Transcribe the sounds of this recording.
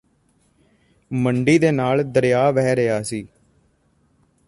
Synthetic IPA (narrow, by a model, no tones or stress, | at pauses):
məɳɖiːd̪eːnaːld̪əɾjaːʋɛːɾɪjaːsiː